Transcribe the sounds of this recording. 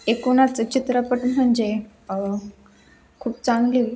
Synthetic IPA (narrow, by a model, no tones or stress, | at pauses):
ekunat͡sət͡ɕit̪ɾəpəʈm̤əɳd͡ze | kʰuːp̚t͡saŋɡli